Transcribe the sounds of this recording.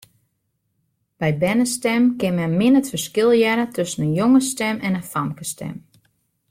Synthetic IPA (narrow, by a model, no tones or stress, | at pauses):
b̥ɛjbɛnəstɛmkɪnmɛmɪnətfərskɪlˠjɛɾətʰøsənənjoŋəstɛmɛnəfamkəstʰɛ̰m